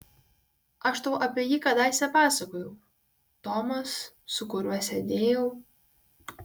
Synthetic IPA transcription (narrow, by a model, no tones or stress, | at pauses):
ɐʃt̪ɐʊʔɐpʲiɛjiːkɐd̪ɑˑɪsʲɛpɑːsɐkoːjɛʊ | t̪ɔmɐs | sʊkʊɾʲuɔsʲɛd̪ʲeːjɛʊ